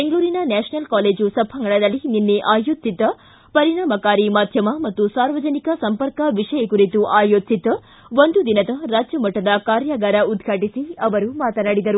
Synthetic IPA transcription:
be̞ŋɡɭuːɾinɐnɛːʂnɐlkaːle̞ːd͡ʒusɐbʱɐŋɡɐɭɐd̪ɐlːininːeʔaːjoːt̪sit̪ɐ | pɐɾiɳaːmɐkaːɾimaːd̪ʱjɐmɐmɐt̪ːusaːɾʋɐd͡ʒɐnikɐsɐmpɐɾkɐʋiʂɐjɐkuɾit̪uʔaːjoːt̪sit̪ɐ | ʋond̪ud̪inɐd̪ɐɾaːd͡ʒjɐmɐʈːɐd̪ɐkaːɾjaɡaːɾɐud̪ɡʱaːʈisiɐʋɐɾumaːt̪ɐnɐɽid̪ɐɾu

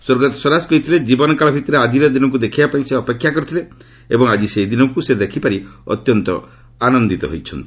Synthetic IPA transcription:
swoɾɡɔt̪sɔlaskɔɦit̪ʰiled͡ʒibɔnɔkaɭɔbʱit̪ɔɾead͡ʒiɾɔd̪inɔk̬ud̪ekʰibapaĩseɔpekʰːjakɔɾit̪ʰile | ebɔŋad͡ʒiseɦid̪inɔŋkused̪ekʰipaɾiɔ̰t̪jɔnt̪ɔ̰ | anɔnd̪it̪ɔ̰ɦo̰jt͡ʃʰɔnt̪i̥

